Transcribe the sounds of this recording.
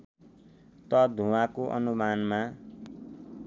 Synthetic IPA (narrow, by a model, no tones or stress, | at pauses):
t̪ʌd̪ʱũwakoʔʌ̰numanma